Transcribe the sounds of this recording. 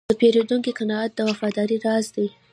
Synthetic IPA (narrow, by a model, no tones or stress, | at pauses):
d̪əpeɾed̪uŋkikanɑɑt̪̚d̪əwafɑd̪ɑɾiɾɑzd̪aj